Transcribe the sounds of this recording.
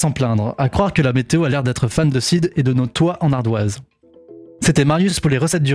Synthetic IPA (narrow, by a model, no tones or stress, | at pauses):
sɑ̃plɛ̃d̪ʁakχwaʁkəlamet̪eoalɛʁd̪ɛt̪χəfand̪əsid̪ed̪ənɔt̪waʔɑ̃naʁd̪waz | set̪ɛmaʁjyspuʁleʁəsɛt̪̚d̪y